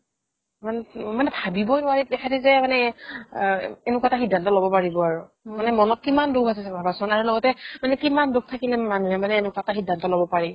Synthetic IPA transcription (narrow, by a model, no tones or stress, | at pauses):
manmanɛbʱabibɔjnʊwaɹit̚dɛxʰɛtɛzɛmanɛ | ɛnʊkataxidʱːantɔlobɔpaɹibɔaɹu | manɛmɔnɔt̚kimandobasɛsɛbʱabasɔnaɹulɔɡɔtɛmanɛkimandok̚tʰakinɛmanuɛmanɛːnʊkataxidʱːantɔlobɔpaɹi